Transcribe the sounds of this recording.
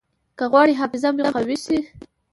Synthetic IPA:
kaɣwɑɽiɦɑfɪzamjaɣawisi

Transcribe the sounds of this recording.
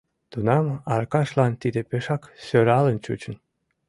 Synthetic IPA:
t̪unɑmɑ̰ɾkɑʃlɑnt̪id̪epeʃɑksøɾɑlənt͡ɕṵt͡ɕən

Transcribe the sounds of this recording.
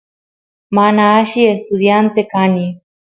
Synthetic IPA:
maːnaːɕiest̪ud̪ijaːnt̪ekaːni

